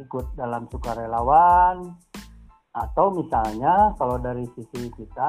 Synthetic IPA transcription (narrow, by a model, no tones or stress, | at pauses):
ikut̪̚dalamsukaɾelawan | at̪awmisalɲakalodaɾisisikit̪a